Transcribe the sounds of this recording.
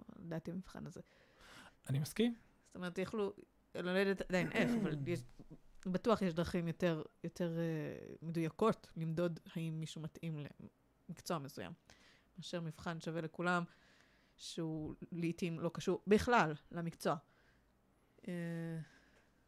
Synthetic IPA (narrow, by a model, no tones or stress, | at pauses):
la̰daːtiamifχa̰naze | ʔanimaskim | st̪ome̞etjaχlu | loledetadainʔefavaljeʃbatuaχjeʃdʁaχimjote̞ʁjo̞tʰe̞ʁeme̞dujako̞tlimd̪o̞dhaimːiʃumatʔimlḛ | mikt͡soamesuja̰m | maːʃeʁmifχanʃave̞le̞kulam | ʃeuliːtimlo̞kaʃuʁbiχlalːamikt͡soa | e